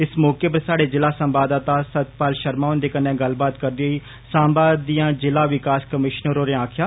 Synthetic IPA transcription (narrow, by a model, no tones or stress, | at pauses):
ɪsmɔːkeːp̬əɾsaːɽeːd͡ʒɪlaːsəmbaːd̪aːt̪aːsət̪paːlʃəɾmaːʊnd̪eːkənːẽːɡəlbaːt̪kəɾd̪iɦoːiː | saːmbaːd̪ijãːd͡ʒɪlaːʋɪkaːskəmɪʃnəɾoːɾẽaːkʰjaː